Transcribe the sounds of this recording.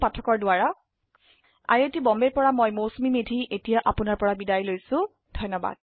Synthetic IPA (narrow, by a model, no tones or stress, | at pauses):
patʰɔkɔɹdʊaɹa | a̰ɹetibɔmbɛɹpɔɹamɔjmowsmimedʱiʔetijaʔapʊnaɹpɔɹabidajlojsʊ̃ | dʱɔjnːɔba̰d̥̚